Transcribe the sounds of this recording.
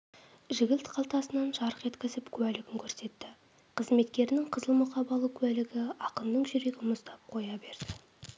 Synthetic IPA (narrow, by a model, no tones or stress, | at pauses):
ʒɪɡʲɪlt̪qʰɑlˠt̪ɑsənɑnʒɑɾəqe̞t̪kʲɪzɪpkʲʰʉælɪɡʲɪŋkʲʰɵɾse̞t̪ːɪ | qʰəzme̞t̪kʲe̞ɾɪnɪŋqʰəzəlˠmʊqɑbɑlˠəkʲʰʉælɪɡʲɪɑqənd̪əɴʒʏɾe̞ɡʲɪnmʊst̪ɑp̚qʰo̞jɑbe̞ɾd̪̥ɪ